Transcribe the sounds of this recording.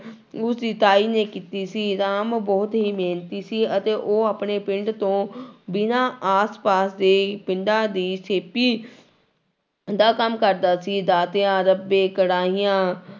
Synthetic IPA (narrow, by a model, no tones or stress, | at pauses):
ʊsd̪iːt̪aːiːneːkiːt̪iːsiːɾaːmbɔːt̪ɦiːmeːnt̪iːsiːət̪eːʔoːaːpɳeːpɪɳɖt̪õːbɪnãːaːspaːsd̪eːpɪɳɖãːd̪iːseːpiː | d̪aːkəmkəɾd̪aːsiːd̪aːt̪eãːɾəbẽːkəɽaːɦijãː